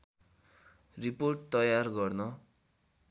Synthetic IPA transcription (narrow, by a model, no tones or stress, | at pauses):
riporʈ̚t̪ʌjarɡʌrnʌ